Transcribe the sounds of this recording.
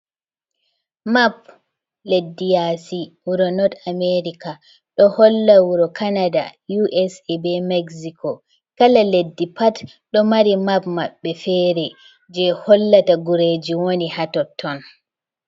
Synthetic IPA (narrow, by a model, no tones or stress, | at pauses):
map̚ | ledːijasiwuɾɔnɔtameɾika | ɗɔhɔlːawuɾɔkanada̰juʔɛsbɛmɛɡsikɔ | kalaledːipat | ɗɔmaɾimapma̰ɓːɛfɛːɾɛ | d͡ʒɛhɔlːataɡuɾed͡ʒiwonihatɔtʰːɔn